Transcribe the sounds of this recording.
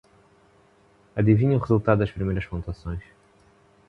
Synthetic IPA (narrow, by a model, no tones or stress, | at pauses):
ad̪ivĩɲɐ̃ʊʁezulˠt̪ad̪d̪ɐʃpɾimejɾɐʃkõnt̪uasõj̃s